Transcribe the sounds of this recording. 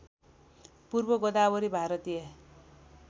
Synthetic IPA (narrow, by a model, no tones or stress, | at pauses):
purbʌɡʌd̪abʌɾibʱaɾʌt̪ije